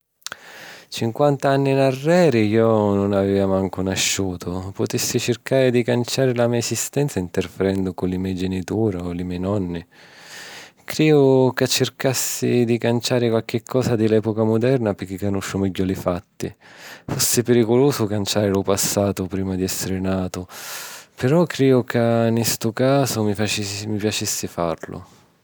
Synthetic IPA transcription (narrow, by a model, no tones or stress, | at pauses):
t͡ʃiŋkwant̪aanːinarːɛːɾijɔnʊnavɛːvamaŋkʊnaʃːuːt̪ʰʊpʊt̪isːit͡ʃɪrkaːɾɪd̪ikant͡ʃaːɾɪlamiːaesist̪ɛnt̪saint̪erfɪɾɛnd̪ʊkʊnlɪmɛjd͡ʒɛnit̪uːɾaolɪmɛːjnɔnːi | kɾiːʊkat͡ʃːɪrkasːid̪ikant͡ʃaːɾɪkwalk̟ɪkʰːɔːsad̪ɪlɛːpokamʊd̪ɛrnapɪk̟ːikːanuʃːʊmɛɟːʊlɪfat̪ːifosːɪpeɾikʊluːsʊkant͡ʃaːɾɪlʊpasːaːt̪ʊpɾiːmad̪iɛsːɪɾɪnaːt̪ʊ | pɪɾɔkːɾiːʊkanist̪ʊkaːzʊmifat͡ʃmipjat͡ʃisːɪfarlʊ̰